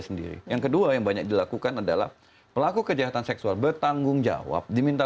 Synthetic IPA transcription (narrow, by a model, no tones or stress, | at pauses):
səndḭɾḭjaŋkəduajaŋbaɲak̚dilakukanadala̰h | pəlakukəd͡ʒaɦat̪ansɛksualbərt̪aŋɡʊŋd͡ʒa̰wa̰p̚dimint̪a